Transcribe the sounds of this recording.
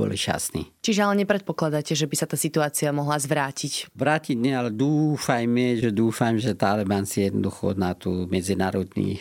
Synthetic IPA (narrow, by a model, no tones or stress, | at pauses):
ɔ̰lḭʃa̰snḭːt͡ʃiʒɛalɛɲɛpɾɛt̪̚pɔklad̪aːcɛʒɛbisat̪aːsit̪uaːt͡siamɔɦlazʋɾaːcicʋɾaːciɟɲɛalɛd̪uːfajmɛʒɛd̪uːfajmʒɛt̪aalɛbansijɛd̪nɔ̰d̪uxɔnat̪umɛd͡zinaːɾɔd̪nḭː